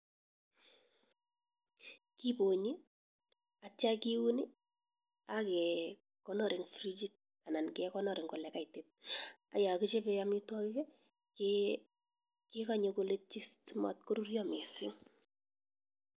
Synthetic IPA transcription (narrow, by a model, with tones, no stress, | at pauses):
kibo˨ɲi˦ | at͡ʃa˦kiwu˦ni˦ | akɛ | kɔnɔ˦ɾɪ˨ŋfri˦d͡ʒi˦t̚ | a˨na˨nkɛkɔ˦nɔ˨ɾɪ˨ŋkɔ˨lɛka˦itet̚a̰˨ja˨ki˦t͡ʃe˦pɛamɪ˦twa˦kɪkɛ | k | kɪkaɲoko˦le˦t̚t͡ʃi˦stɪma̰˨tko˦ɾu˦rjɔ˦mɪ˨sɪŋ